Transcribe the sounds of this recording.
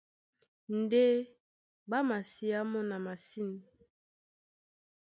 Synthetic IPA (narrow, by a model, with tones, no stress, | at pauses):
n˦de˦ | ba˦ma˨si˦a˦mɔ˦na˨ma˨si˦n˨